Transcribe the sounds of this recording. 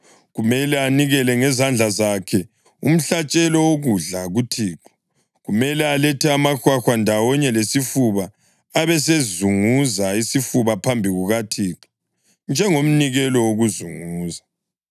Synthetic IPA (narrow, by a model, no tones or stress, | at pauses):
ɣumɛlɛaniɣɛlɛŋɛzand͡ɮʱazakʰɛ | ṵm̩ɬat͡ʃʼɛlɔwoɣuɮaɣutʰiːǁɔ̥ | ɣumɛlɛalɛtʰɛamaxwaxwandʱawɔɲɛlesifuβaː | βɛs̬ezuŋuzaisifuβapʰambʱiɣuɣatʰiːǁu̥ | nd͡ʒʱɛŋom̩niɣɛlɔwoɣuzuŋuːza